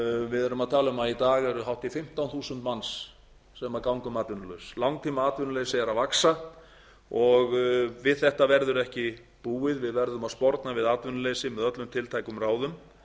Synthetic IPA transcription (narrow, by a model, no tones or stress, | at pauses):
vɪðɛɾʏmaðt̪ʰaːlʏmait̪aːɣɛɾʏɦawht̪ifɪm̥t̪awnθuːsʏnt̪mansː | ɛmakawŋkʏmaːt̪vʏnlœɥslawŋt̪ʰiːmaaːt̪vʏnʏlejsɪɛɾavaksa | ɔɣvɪðθɛht̪avɛɾðʏɾɛhcɪ | puːɪðvɪðvɛɾðʏmaðspɔɾt̪navɪðaːt̪vʏnʏleːjsɪmɛðœt̪lʏmt̪ʰɪlt̪ʰajkʏmraːwðʏm